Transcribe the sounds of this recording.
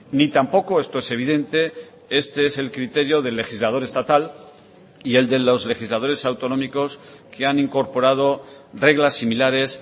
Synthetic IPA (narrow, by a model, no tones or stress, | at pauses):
nit̪ampo̞ko̞e̞st̪o̞e̞se̞β̞iðe̞nt̪e̞ | e̞st̪e̞ese̞lkɾit̪e̞ɾjo̞ðe̞lːe̞xizlað̞o̞ɾe̞st̪at̪al | ie̞ld̪e̞lo̞zle̞xizlað̞o̞ɾe̞sawt̪o̞no̞miko̞skʰeaniŋko̞ɾpo̞ɾað̞o̞re̞ɣlasːimilaɾe̞s